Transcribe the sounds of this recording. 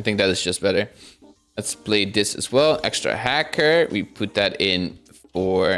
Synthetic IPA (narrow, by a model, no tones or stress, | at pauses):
θɪ̃ŋk̚ðɨɾɨzd͡ʒʌsb̥ɛɾə˞ | ətspʰl̥eɪðɪsɨ̰zwɛlˠʔɛkstɹ̥ɨ̰ɦækʰə˞wipʰʊt̪̚ðɨɾɪ̃n | fə˞